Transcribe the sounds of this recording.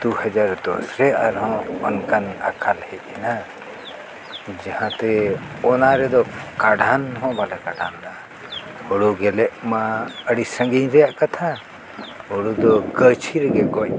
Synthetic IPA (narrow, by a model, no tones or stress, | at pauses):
d̪̥uhad͡ʒaɾd̪ɔ̰sɾɛaɾɦɔ̃ɔnkana̰kʰalhɛʔ̚ɛna | d͡ʒahãt̪ɛ | ɔnaɾɛd̪ɔkaɖʱanɦɔ̃balɛkaɖʱanna | ɔɽuɡɛlɛʔmaəɽisə̃ŋɡiɲɾɛjaʔkat̪ʰa | ɔɽud̪ɔkət͡ʃʰiɾɛɡɛɡɔc